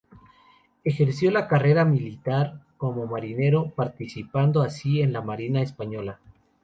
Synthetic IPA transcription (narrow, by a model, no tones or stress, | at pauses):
e̞xe̞ɾsjo̞lakare̞ɾamilit̪aɾko̞mo̞maɾine̞ɾo̞paɾt̪isipand̪oasie̞nlamaɾinaespaɲo̞la